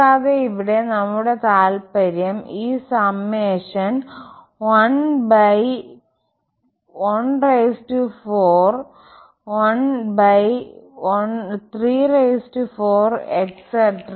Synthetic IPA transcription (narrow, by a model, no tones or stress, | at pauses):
aːðeiʋiɽe̞nɐmːuɽe̞t̪aːlpɐɾjɐmiːsɐmːeːʂɐn | ʋɐnbɐj | onrejsʈufoːr | ʋɐnbɐjont̪riːrejsʈufoːrekseʈr